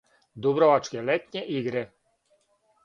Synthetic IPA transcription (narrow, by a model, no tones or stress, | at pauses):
d̪ubɾɔʋat͡ʃkɛlɛt̪ɲɛʔiɡɾe